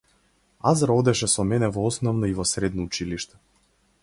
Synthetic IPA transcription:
azɾɔd̪ɛʃɛsɔmɛnɛvɔɔsnɔvnɔivɔsɾɛd̪nɔut͡ʃiliʃt̪ɛ̥

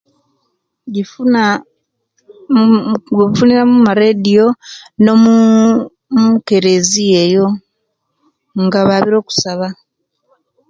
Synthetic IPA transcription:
ɟi | ɡβifuniɾamumaɾeːdio̞no̞mu | muke̞ɾe̞ziejo̞ | ŋɡaβaːβiɾo̞ːku̥saβa

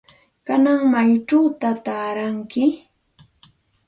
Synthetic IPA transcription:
kanaŋmajʈ͡ʂawt̪at̪aːɾaŋkɪ

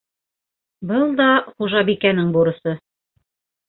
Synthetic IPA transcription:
bɤlˠd̪ɑχuʒɑbikænɘŋbuɾɤ̆sɤ

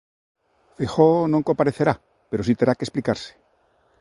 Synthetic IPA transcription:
fexonõŋkompaɾeθeɾa | peɾosit̪eɾakesplikaɾse̥

